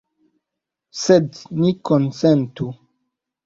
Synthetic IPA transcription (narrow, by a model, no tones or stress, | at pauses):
sednikonsentu